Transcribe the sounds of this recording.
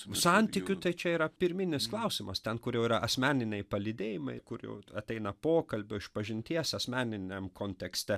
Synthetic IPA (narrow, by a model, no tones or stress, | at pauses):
sɑnʲt̪ʲɪkʲʊt̪ɐɪt͡ʃʲɛiːɾɐpʲɪɾʲmʲɪnʲɪsklˠɐʊsʲɪmɐst̪ʲɛnkʊɾjɛʊiːɾɐʔɐsʲmʲæːnʲɪnʲɛɪpɐlʲɪd̪ʲeːjɪmɐɪkʊɾjɛ̰ʊɐt̪ʲɛɪnɐpoːkɐlʲbʲʊɪʃpɐʒʲɪnʲt̪ʲiɛsɐsʲmʲæːnʲɪnʲemkoːnʲt̪ʲɛksʲt̪ʲɛ